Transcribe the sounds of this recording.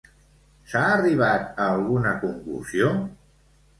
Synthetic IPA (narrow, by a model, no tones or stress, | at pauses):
saːriβ̞at̪əːlˠɣunəkuŋklṵzio